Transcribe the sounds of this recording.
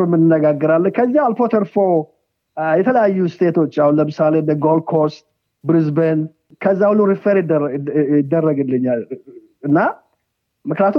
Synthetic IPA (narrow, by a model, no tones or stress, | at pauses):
ɾmːɨnːɨnːəɡaɡːəɾalːəɲkʰəzːiaalfot̪ʰəɾfo̞ | jɛt̪ʰələjajːust̪ʰe̞t̪ʰo̞t͡ʃːahunləmɨsalend̪əɡol̚kʰost̪ | bɾɨzbən | kʰəzːahwuluɾifəɾɪ | ɪd̪ːərːəɡɨlːəɲːal | ɨnːa | mɨknijat̪